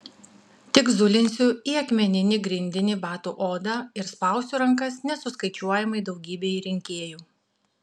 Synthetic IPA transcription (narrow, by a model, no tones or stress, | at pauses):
t̪ʲɪkzʊlʲɪnʲsʲʊiɐkmʲɛnʲɪnʲɪɡɾʲɪnʲd̪ʲɪnʲɪbɑːt̪ṵːʔoːd̪ɑːɪɾspɐˑʊsʲʊɾɐŋkɐsnʲɛsʊskɐɪt͡ʃʲuɔjɛmɐɪd̪ɒʊɡʲiːbʲeːiɾʲɪŋʲkʲeːjuː